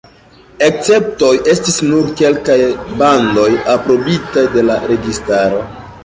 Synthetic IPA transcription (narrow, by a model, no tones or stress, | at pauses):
e̞k̚t͡se̞p̚to̞jʔe̞stisnuɾke̞lkajbando̞japɾo̞bitajde̞laɾe̞ɡistaɾo̞